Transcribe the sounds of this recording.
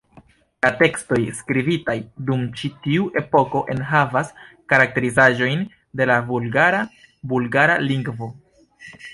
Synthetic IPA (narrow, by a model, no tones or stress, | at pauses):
late̞ksto̞jskɾivitajdumt͡ʃitiuʔe̞po̞ko̞ʔe̞nɦavas | kaɾak̚te̞ɾizaʒo̞jn | de̞lavulɡaɾa | bulɡaɾaliŋɡvo̞